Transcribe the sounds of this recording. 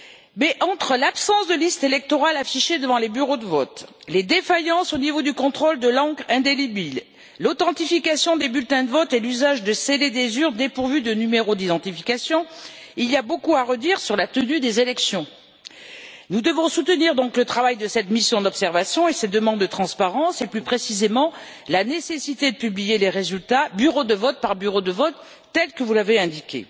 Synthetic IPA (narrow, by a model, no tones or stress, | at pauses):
mɛʔɑ̃t̪χəlapsɑ̃sd̪əlist̪elɛk̚t̪ɔʁalafiʃed̪əvɑ̃lebyʁod̪əvɔt̪led̪efajɑ̃sonivod̪ykɔ̃t̪χɔld̪əlɑ̃ɡʁɛ̃d̪elibil | lot̪ɑ̃t̪ifikasjɔ̃d̪ebylt̪ɛ̃d̪əvɔt̪elyzaʒd̪əseled̪ezyʁd̪epuʁvyd̪ənymeʁod̪id̪ɑ̃t̪ifikasjɔ̃ | ilijabokuaʁəd̪iʁsyʁlat̪ənyd̪ezelɛksjɔ̃ | nud̪əvɔ̃sut̪əniʁd̪ɔ̃klət̪χavajd̪əsɛt̪misjɔ̃d̪ɔpsɛʁvasjɔ̃esɛd̪əmɑ̃d̪ːət̪χɑ̃spaʁɑ̃seplypχesizemɑ̃ | lanesesit̪ed̪əpyblijeleʁezylt̪abyʁod̪əvɔt̪̚paʁbyʁod̪əvɔt̪ː | ɛlkəvulaveɛ̃d̪ikʲḛ